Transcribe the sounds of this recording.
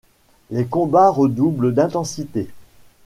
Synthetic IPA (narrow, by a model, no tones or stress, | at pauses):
lekɔ̃baʁəd̪ubld̪ɛ̃t̪ɑ̃sit̪e